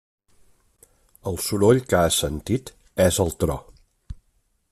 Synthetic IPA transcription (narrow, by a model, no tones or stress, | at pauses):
əlˠsuɾoʎkəasənt̪it̪ | ɛzəlˠt̪ɾɔ